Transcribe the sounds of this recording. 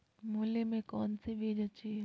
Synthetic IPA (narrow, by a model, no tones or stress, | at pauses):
muːlemẽkɔːnsiʋeːd͡ʒɐt͡ʃi